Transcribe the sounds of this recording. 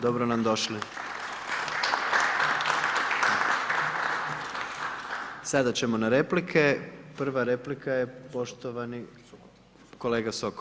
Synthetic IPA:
d̪o̞bɾonamd̪o̞ʃli | sad̪at͡ɕe̞mo̞naɾeplikʰepr̩ʋaɾe̞plikʰajepo̞ʃt̪oʋani | ko̞leːɡasok

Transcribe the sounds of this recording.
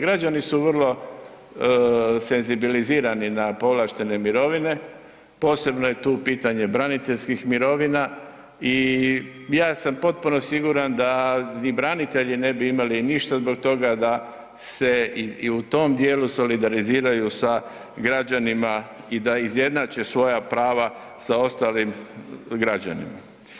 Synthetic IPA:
ɡɾad͡ʒanisuʋərlˠo̞ | se̞nzibiliziːɾaninapo̞ʋlaʃt̪e̞ne̞miɾo̞ʋine̞ | po̞ːse̞bnoje̞t̪uːpiːt̪aɲe̞bɾanit̪eʎskixmiɾo̞ʋina | i | jaːsampo̞t̪̚puno̞siɡuɾand̪anibɾanit̪e̞ʎine̞biimaliniʃt̪azbo̞kt̪o̞ɡad̪a | se̞iiut̪o̞md̪je̞ːluso̞lid̪aɾiziːɾajusa | ɡɾad͡ʑanima | id̪aizje̞d̪naːt͡ɕe̞sʋo̞japɾaːʋa | sao̞st̪aːlimɡɾad͡ʑa̰nḭma̰

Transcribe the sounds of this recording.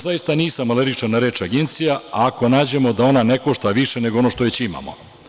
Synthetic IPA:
zajist̪aniːsamaleɾit͡ʃanaɾe̞ːt͡ʃaɡe̞nt̪sijaaːko̞naːd͡ʑe̞mo̞d̪ao̞naneko̞ʃt̪aʋiʃe̞ne̞ɡoono̞ʃt̪oʋet͡ɕima̰mo̰

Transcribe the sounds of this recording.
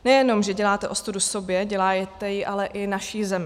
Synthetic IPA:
nɛjɛno̞mʒɛɟɛlaːt̪ɛʔost̪udusobjɛɟɛlaːjɛt̪ɛjiʔalɛʔɪnaʃiːzɛmɪ

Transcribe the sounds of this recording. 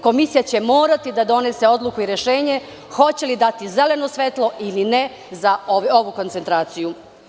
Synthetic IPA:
ko̞misijat͡ɕe̞mo̞ːɾat̪id̪ad̪o̞ne̞se̞o̞d̪lˠukuiɾe̞ʃeːɲe̞ | xo̞t͡ɕe̞lid̪at̪ize̞le̞no̞sʋet̪lˠo̞ʔiline | zaoo̞ʋuko̞nt̪se̞nt̪ɾaːt̪siju

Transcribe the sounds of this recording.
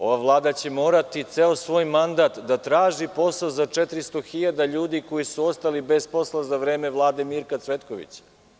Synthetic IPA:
o̞ʋaʋlˠaːd̪at͡ɕe̞mo̞ːɾat̪it̪seo̞sʋo̞ːjmand̪at̪d̪at̪ɾaːʒipo̞saozat͡ʂet̪ɾist̪o̞xiʎad̪aʎuːd̪iko̞jisuo̞st̪alibe̞zpo̞slˠazaʋɾe̞ːme̞ʋlˠaːd̪e̞miɾkat̪sʋe̞t̪koʋḭt͡ɕḁ

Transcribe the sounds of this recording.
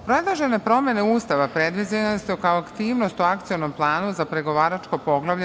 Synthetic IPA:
ppɾoed̪lˠaʒene̞pɾo̞me̞neuːst̪aʋapɾed̪ʋizeest̪ɛkaoakt̪iːʋno̞st̪uakt̪sijo̞nomplˠaːnuzapɾe̞ɡo̞ʋaːɾat͡ʃkopo̞ɡlˠaʋʎe

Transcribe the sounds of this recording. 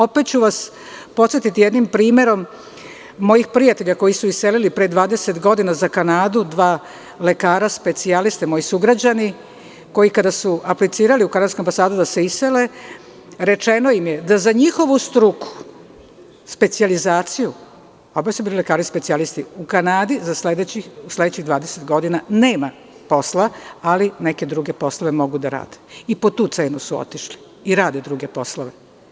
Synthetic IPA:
o̞pet̪̚t͡ɕuʋas | po̞t̪sjet̪it̪ijed̪nimpɾiːme̞ɾo̞mː | o̞jixpɾijat̪e̞ʎako̞jisuise̞lilipɾed̪ʋaːd̪e̞se̞t̪ɡo̞d̪inazakanaːd̪ud̪ʋaː | le̞kaːɾaspe̞t̪sialist̪emo̞jisuɡɾad͡ʑani | ko̞jikad̪asuʔaplit̪siːɾaliukanad̪skoambasaːd̪ud̪ase̞isele | ɾe̞t͡ʃe̞no̞imje̞d̪azaɲixo̞ʋust̪ɾuku̥ | spe̞t̪sializaːt̪siju | obasubiːlilekaːɾispetsialist̪iukanaːd̪izasled̪et͡ɕiusle̞d̪et͡ɕiɣd̪ʋaːd̪eset̪ɡo̞d̪inaneːma | po̞slaalineke̞d̪ɾuɡe̞po̞sloʋemo̞ɡud̪aɾa̰ːd̪eipo̞t̪uːt̪se̞ːnusuo̰t̪iʃli̥ | iɾaːd̪ed̪ɾuɡe̞po̞sloʋe

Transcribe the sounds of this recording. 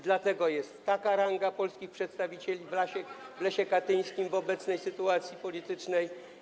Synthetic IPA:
d̪lat̪ɛɡɔjɛst̪ːakaɾaŋɡapɔlskʲixpʂɛt̪st̪avʲit͡ɕelʲivlaɕɛvlɛɕɛkat̪ɘj̃skʲimvɔbɛt̪snɛjsɘt̪uat̪sʲjipɔlʲit̪ɘt͡ʂnɛj

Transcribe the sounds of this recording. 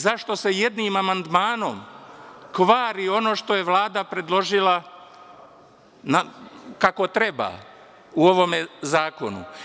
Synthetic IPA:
zaʃt̪o̞se̞je̞d̪nimamand̪maːno̞̰mkʋaːɾio̞no̞ːʃt̪o̞je̞ʋlˠaːd̪apɾe̞d̪lˠo̞ʒila | nakako̞t̪ɾe̞ba̰ː | uo̞ʋo̞me̞zaːko̞nṵ

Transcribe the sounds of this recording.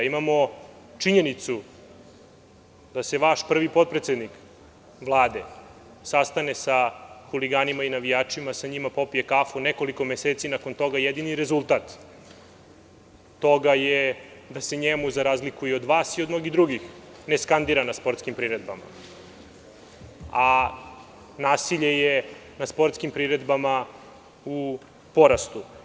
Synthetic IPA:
imamo̞ | t͡ʂiɲe̞nit̪su | d̪ase̞ʋaʃpr̩ʋipo̞t̪̚pɾet̪sed̪nik | ʋlˠaːd̪e̞ | sast̪anesaxuliɡaːnimainaʋijaːt͡ʂimasaɲimapo̞pije̞kafoneko̞liko̞meseːt̪sinako̞nt̪o̞ɡajed̪iniɾe̞zulˠt̪aːt̪ | oɡajed̪ase̞ɲemuzaɾaːzlikujeod̪ʋaːsiod̪no̞ɡid̪ɾuɡixneskand̪iɾanaspo̞ɾt̪skimpɾiɾed̪̚bama̰ | a | naːsiʎeje | naspo̞ɾt̪skimpɾiɾed̪bama | u | po̞ɾast̪u

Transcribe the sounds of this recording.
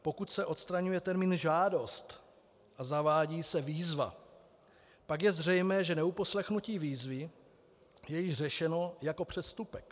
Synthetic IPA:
po̞kut̪sɛʔo̞t̪st̪ɾaɲujɛt̪ɛɾmiːnʒaːdo̞st̪ | ʔazavaːɟiːsɛviːzva̰ | pakjɛzr̝ɛjmɛːʒɛnɛupo̞slɛxnuciːviːzvɪ | jɛjɪʒr̝ɛʃɛno̞jako̞pr̝̥ɛst̪upɛk

